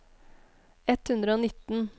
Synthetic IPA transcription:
ɛt̪hʉnd̪ɾəoːnɪt̪n̩

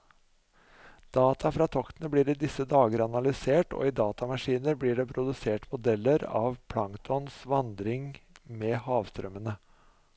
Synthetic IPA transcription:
d̪̥ɑːt̪ʰɑfɾɑːt̪ʰɔkt̪ənəbliːɾiːd̪ɪsəd̪ɑːɡəɾɑnɑlɪseːʈo̰ːiːd̪ɑːt̪ɑmɑʂiːnəɾbliːɖɛːpʰɾʊd̪ʉseːʈmʊd̪ɛlːəɾɑ̰ːʋpʰlɑŋt̪ʰɔnsʋɑnd̪ɾɪŋmeːhɑːʋst̪ɾœmənə

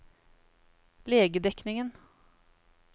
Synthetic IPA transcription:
leːɡəd̪ɛknɪŋən

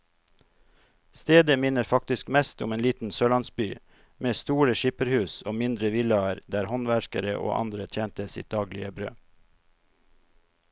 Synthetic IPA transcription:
st̪eːd̪əmɪnəɾfɑk̚t̪ɪskmɛst̪ʊ̰meːnliːt̪n̩søːlɑnsbyː | meːst̪uːɾəʃipəɾhʉːsoːmɪnd̪ɾəʋɪlɑɾd̪æːɾhɔnʋæɾkəɾəʔo̰ːʔɑ̰nd̪ɾət̪ʰjeːnt̪əsɪ̰t̪̚d̪ɑːɡlɪ̰əbɾø̰ː

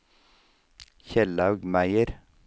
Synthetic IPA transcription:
çɛlɑʉɡmæɪəɾ

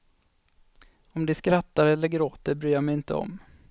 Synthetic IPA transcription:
ɔmd̪ɛskɾat̪ːaɾɛlːəɾɡɾoːt̪əɾbɾyːjamɛjɪnt̪ʰə̰ɔ̰m

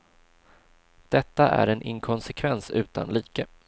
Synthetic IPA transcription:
d̪̥ɛt̪ːaʔæ̰ɾɛnʔɪ̰ŋkʰɔnsɛkʰvɛnsʉ̟ːt̪a̰nliːkə

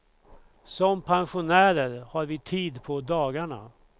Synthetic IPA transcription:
sɔmpʰanɧʊnæːɾəɾhaɾvɪt̪ʰiːd̪pʰɔd̪ɑːɡaɳa̰

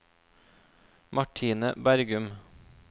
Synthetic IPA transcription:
mʔɑʈʰiːnəbæɾɡʉm

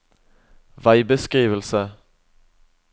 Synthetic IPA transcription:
ʋɑɪbəskʁiːʋəlsə

